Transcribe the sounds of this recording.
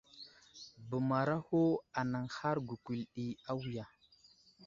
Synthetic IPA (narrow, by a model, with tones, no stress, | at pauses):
bə˨ma˨ɾa˦ho˦a˨na˨ŋha˦ɾɡu˨ku˨lɗi˨a˦wi˨ja˨